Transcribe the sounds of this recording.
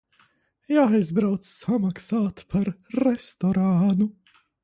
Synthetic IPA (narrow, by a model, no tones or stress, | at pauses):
jaːajzbɾawt̪ssamaksaːt̪pʰaɾːɛst̪ɔɾaːnu